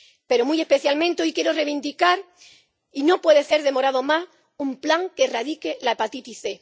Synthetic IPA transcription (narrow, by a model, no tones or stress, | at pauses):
pe̞ɾo̞muje̞hpe̞θjalmẽnt̪eo̞jkje̞ɾore̞βind̪ikaɾ | ino̞pwe̞ðese̞ɾðe̞mo̞ɾað̞o̞mas | umplaŋkeraðike̞laepat̪it̪iθe̞